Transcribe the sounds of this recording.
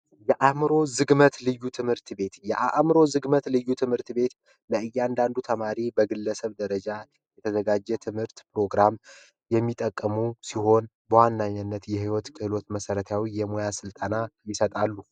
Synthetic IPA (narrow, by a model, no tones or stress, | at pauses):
jɛʔamɨɾo̞zɨɡmət̪lɨjːut̪ʰɨmhɨɾt̪be̞t̪jɛʔaʔmɾo̞zɨɡmət̪lɨjːut̪ʰɨmhɨɾt̪be̞t̪ | ləɨjːand̪and̪ut̪ʰəmaɾibəɡɨlːəsəβd̪əɾəd͡ʒa | jɛt̪ʰəzəɡad͡ʒːɛt̪ʰɨmhɨɾt̪pɾo̞ɡɾam | jɛmːit̪ʼəkʼːəmusiɦo̞n | bəwanːaɲːanːət̪jɛhiwɔt̪kʰɨhɨlo̞t̪məsəɾət̪ʰawijɛmojasɨlt̪ʼənajɪsət̪ʼalːu